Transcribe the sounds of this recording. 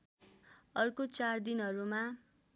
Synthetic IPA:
ʌrkot͡sard̪inɦʌɾuma

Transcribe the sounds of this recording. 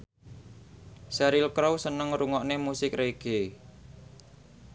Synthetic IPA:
saɾɪlkɾowsənəŋɾuŋɔʔnemusɪkreɡ̥e

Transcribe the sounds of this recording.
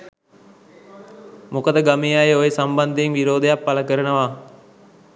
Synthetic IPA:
mukəd̪əɡamijajeojesamband̪eeŋʋiɾoːd̪ejapːaləkəɾənəʋa

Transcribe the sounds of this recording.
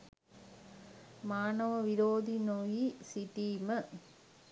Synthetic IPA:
maːnɐʋɐʋiɾoːd̪inojisiʈːimɐ

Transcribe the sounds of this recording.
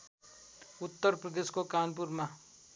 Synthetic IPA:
ʊt̪ːəɾpɾəd̪eskokanp̬uɾma

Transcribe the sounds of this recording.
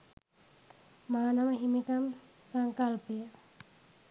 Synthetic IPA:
maanamaimik̪am | saŋkalbe

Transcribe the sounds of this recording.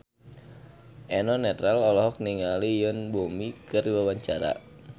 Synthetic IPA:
ʔɛnɔnɛt̪ɾalɔlɔɦɔk̚niŋalijənbomikɨriwawaɲt͡ʃaɾa̰

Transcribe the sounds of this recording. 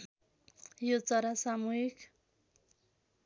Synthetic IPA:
jot͡sʌɾasamuɦik

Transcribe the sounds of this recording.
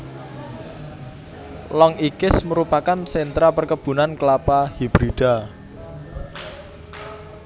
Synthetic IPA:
lɔŋikɪsməɾupakansɛnt̪ɾapərkəb̥ṳnankəlapahib̥ɾiɖ̥a̤

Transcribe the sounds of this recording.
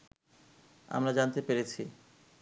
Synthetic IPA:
a̰mɾad͡ʑant̪epeɾet͡ɕʰi

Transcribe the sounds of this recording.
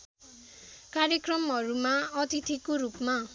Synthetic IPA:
kaɾjekrʌmɦʌɾumaʌt̪it̪ʰikoɾupma

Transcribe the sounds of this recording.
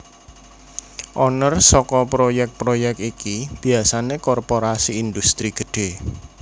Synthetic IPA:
ʔɔnərsɔkɔpɾojɛk̚t̪̚pɾojɛk̚t̪ikib̥i̤asanekɔrpoɾasiːnd̪ust̪ɾiɡ̥ə̤ɖ̥e̤

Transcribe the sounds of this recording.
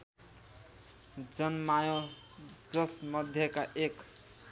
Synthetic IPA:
d͡zʌnmajo | d͡zʌsmʌd̪ʱjʌkaʔek

